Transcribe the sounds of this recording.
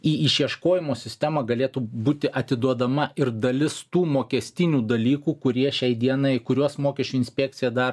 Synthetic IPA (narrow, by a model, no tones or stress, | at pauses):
iːɪʃʲiɛʃkoːjɪmoːsʲɪsʲt̪ʲæmɐːɡɐlʲeːt̪uːbuːt̪ʲɪʔɐt̪ʲɪd̪uɔd̪ɐmɐʔʔɪɾd̪ɐlʲɪst̪uːmoːkʲɛsʲt̪ʲɪnʲuːd̪ɐlʲiːkuːkʊɾʲiɛʃʲɛɪd̪ʲiɛnɐɪkʊɾʲuɔsmoːkʲɛʃʲt͡ʃʲuɪnʲsʲpʲɛk̚t̪sʲɪjɛd̪ɐr